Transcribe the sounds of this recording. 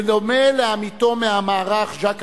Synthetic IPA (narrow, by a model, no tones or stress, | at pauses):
lomeleamit̪o̞meamaːʁaχʒak